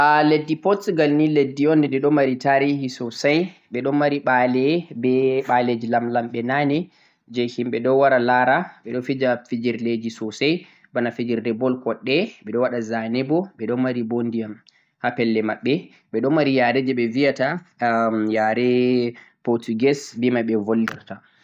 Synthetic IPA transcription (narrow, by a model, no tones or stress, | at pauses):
ʔaledːipɔtɡalniledːiɔndɛdɛɗɔmaɾitaɾihisɔsajɓɛɗɔnmaɾiɓalɛbɛɓaled͡ʒilamlamɓɛnanɛ | d͡ʒɛhimɓɛɗɔwaɾalaɾaɓɛɗɔfid͡ʒafid͡ʒiɾled͡ʒisɔsaj | banafid͡ʒiɾdɛbɔlkɔɗːɛɓɛɗɔwaɗazanɛbɔɓɛɗɔmaɾibondijam | hapɛlːɛmaɓːɛ | ɓɛɗɔmaɾijaɾɛd͡ʒɛɓɛvijata | jaɾɛpoɾtuɡɛsbimaɓɛvolːiɾta